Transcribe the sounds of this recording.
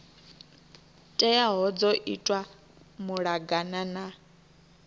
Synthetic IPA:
tʼɛjaɦɔd͡zɔʔitʼwa | muɺaɡanana

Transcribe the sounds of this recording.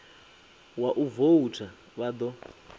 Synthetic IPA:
waʔuvoutʰa | βad̪ɔ

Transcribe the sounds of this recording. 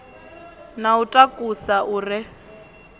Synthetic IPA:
nautʼakʼusaʔuːrɪ

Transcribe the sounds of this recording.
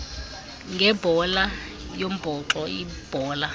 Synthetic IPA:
ŋɡʱɛbʱɔla | jom̩b̥ʱɔǁɔib̥ʱɔːla

